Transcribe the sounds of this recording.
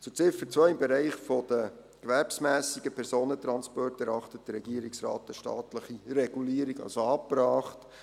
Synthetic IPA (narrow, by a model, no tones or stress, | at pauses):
t͡sut͡sɪfəɾt͡sʋœɪmbɛɾɛɪχfod̥ə | kʋæɾpsmæːsiɡəpʰɛɾsoːnət̪ɾɑnspɔrtɛɾɑχtət̚d̥əɾɛɡ̥iːəɾiksɾɑ̰ːtəʃtɑ̰ːtləχirɛɡ̥uliːəɾiɡɑ̰lsoɑːpɾɑːχt